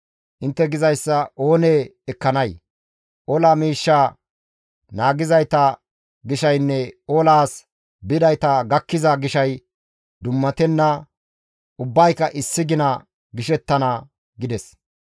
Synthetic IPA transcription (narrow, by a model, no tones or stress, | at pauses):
ʔɪnt̪ːɛɡɪzɐjsːɐʔo̞ːneːɛkːɐnɐj | ʔɔlaːmiːʃːaː | naːɡɪzɐjt̪ɐ | ɡɪʃɐjnːɛolaːs | bɪd̪ɐjt̪ɐɡɐkːɪzɐɡɪʃɐj | d̪ʊmːɐt̪ɛnːɐ | ʔʊbːɐjkːɐʔɪsːɪɡɪnɐ | ɡɪʃɛt̪ːɐnɐ | ɡɪd̪ɛs